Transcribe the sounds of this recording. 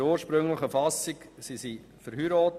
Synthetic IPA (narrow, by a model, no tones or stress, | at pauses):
ɾuːɾʃpɾʏŋləχəfɑsɪksisi | fəɾhyɾɔːt